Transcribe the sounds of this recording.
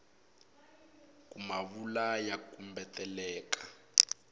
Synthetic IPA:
kumaβulajakumbɛtɛlɛːkḁ

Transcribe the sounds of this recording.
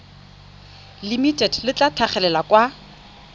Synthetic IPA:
limitʼɛdlɪt͡ɬʼatʰaχɛlɛlakʼwa

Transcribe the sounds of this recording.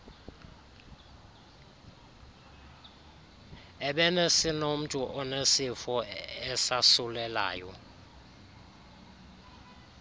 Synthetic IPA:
ɛɓɛnesinom̩tʼuʔɔnesifɔɛsasulɛla̰ːjɔ

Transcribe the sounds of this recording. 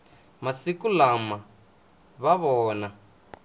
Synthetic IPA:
masikulama | βaβɔːna

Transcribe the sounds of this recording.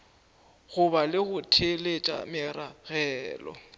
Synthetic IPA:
ɣʊbalɪɣʊtʰelet͡ʃʼa̰mɪraɣɛːlɔ̰

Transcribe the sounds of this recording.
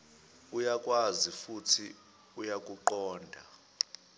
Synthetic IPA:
ujakʼwazifutʰi | ujakʼuǃɔːndʱa

